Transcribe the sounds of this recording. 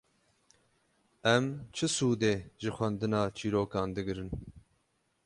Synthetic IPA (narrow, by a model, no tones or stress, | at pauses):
ɛmt͡ʃʰɨsuːd̪eːʒɨxʷɛnd̪ɨnɑːt͡ʃʰiːɾoːkɑːnd̪ɨɡɨɾɨn